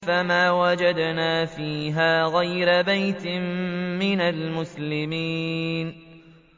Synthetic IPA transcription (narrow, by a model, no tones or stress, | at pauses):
famaːwad͡ʒad̪naːfiːɦaːɣajɾabajt̪ɪmːɪnalmʊslɪmiːn